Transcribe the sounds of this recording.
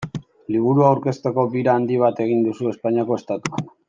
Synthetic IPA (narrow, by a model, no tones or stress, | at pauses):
liβ̞uɾuawɾke̞st̪e̞ko̞βiɾaːnd̪iβ̞at̪e̞ɣ̞ind̪usue̞spaɲiako̞est̪at̪uan